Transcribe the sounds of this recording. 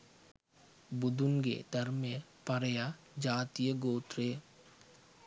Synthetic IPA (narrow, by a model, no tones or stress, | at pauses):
bʊd̪ʊnɡḛd̪ɐɾmẽ | pɐɾja | d͡ʒaːt̪ijəɡoːt̪ɾe